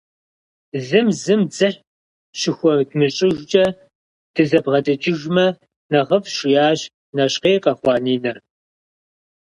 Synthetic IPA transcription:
zɨmzɨmd͡zɨħ | ʃɪxʷɔdmɨɕʼɪʒd͡ʒʼɐ | d̥ɨzɐbʁɐdɐt͡ʃʼɪʒmɐ | nɐʁɐfʃʼɪjaːʒ | nɐɕqeːqʼɐːχʷɑːniːnɐr

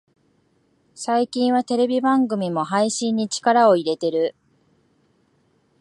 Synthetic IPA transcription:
saikʲĩɰ̃βat̪e̞ɾe̞bʲibãŋɡɯ̟mʲimo̞ɦaiɕĩɲ̟ːit͡ɕi̥kaɾao̞iɾe̞t̪e̞ɾɯ̟

